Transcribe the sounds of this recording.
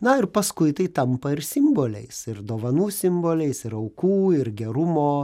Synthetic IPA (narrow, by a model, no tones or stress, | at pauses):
nɐɪɾpɐskʊɪt̪ɐɪt̪ɐmpɐɪɾsʲɪmboːlʲɛ̰ɪsɪɾd̪oːʋɐnuːsʲɪmboːlʲɛɪsɪɾɐʊkuːɪɾɡʲɛɾʊmoː